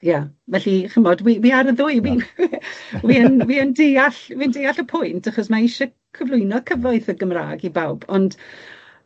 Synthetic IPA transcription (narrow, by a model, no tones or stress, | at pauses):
javɛɬiχəmɔdwiwiːaɾəðʊɨwin | wiənwiːəndejaɬwiːəndejaɬəpʰʊjntʰaχɔsmaɪʃɔ | kʰəvlˠʊɨnɔkʰəvɔɨθəɡəmra̰ːɡibawb̥ɔnd̥